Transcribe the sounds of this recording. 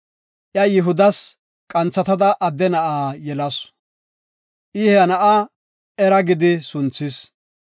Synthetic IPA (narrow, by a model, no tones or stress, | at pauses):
ʔjɐjɪɦʊd̪ɐs | kʼɐnt͡sːɐt̪ɐd̪ɐʔɐd̪ːɛnɐʔaːjɛlɐs | ʔɪhɛɐnɐʔa | ɛɾɐɡɪd̪ɪsʊnt͡sːɪs